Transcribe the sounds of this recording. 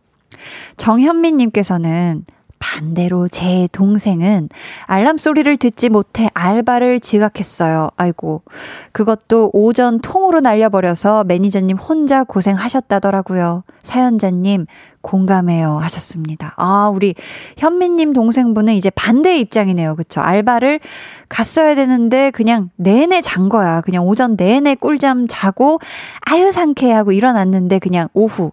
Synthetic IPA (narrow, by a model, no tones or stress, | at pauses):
t͡ɕʌŋçjʌmːiɲːimk͈e̞sʰʌnɯn | pande̞ɾot͡ɕe̞toŋsʰe̞ŋɯnaɭːams͈oɾiɾɯɭtɯt̚t͡ɕ͈imotʰe̞ʔaɭbaɾɯɭt͡ɕiɡakʰe̞s͈ʌjoaiɡokɯɡʌt̚t͈oʔod͡ʑʌntʰoŋɯɾonaʎːʌbʌɾjʌsʰʌme̞ɲid͡ʑʌnɲːimhond͡ʑakosʰe̞ŋɦaɕʰʌt̚t͈adʌɾaɡujosʰajʌnd͡ʑaɲːim | koŋɡamɦe̞johaɕʰʌs͈ɯmɲidaauɾiçjʌmːiɲːimtoŋs̬ʰe̞ŋbunɯnid͡ʑe̞pande̞ip̚t͡ɕ͈aŋine̞jokɯt͡ɕʰo̰ʔa̰ɭbaɾɯɭkas͈ʌjadwe̞nɯnde̞kɯɲaŋne̞ne̞t͡ɕaŋɡʌjakɯɲaŋod͡ʑʌnːe̞ne̞k͈uɭd͡ʑamt͡ɕaɡoajɯsʰaŋkʰe̞ɦaɡoiɾʌnanːɯnde̞kɯɲaŋoɸu